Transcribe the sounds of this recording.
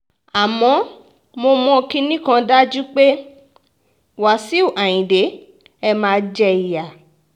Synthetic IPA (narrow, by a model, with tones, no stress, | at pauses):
a˨mɔ̃˨˧˦ | mo˧mɔ̃˧ki˦nĩ˦kã˧da˦d͡ʒu˦k͡pe˦ | wa˨si˨˦o˦˨ʔa˨j̃ĩ˨de˨˦ | ɛ˧mãː˧d͡ʒɛ˧i˨ja˨